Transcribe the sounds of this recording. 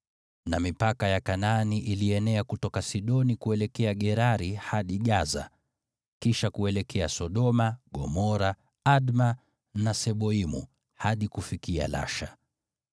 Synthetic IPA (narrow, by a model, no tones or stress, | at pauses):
namipakajakananiʔiliɛnɛakutɔkasiɗɔnikuɛlɛkɛaɠɛɾaɾihaɗiɠaza̰ | kiʃakuɛlɛkʰɛasɔɗɔmaɠɔ̰mɔɾa | aɗma | nasɛɓɔimṵ | haɗikufikia̰la̰ʃa